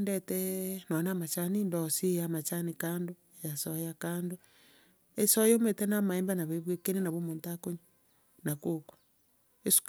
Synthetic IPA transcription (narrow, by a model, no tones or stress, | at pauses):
ndetɛnɔnamat͡ʃanindɔsijamat͡ʃanikaːndo | jasɔjakaːndo | esɔjometenamaembanaβeβwekenenaβomontakoɲa | nakokḁ | esu̥k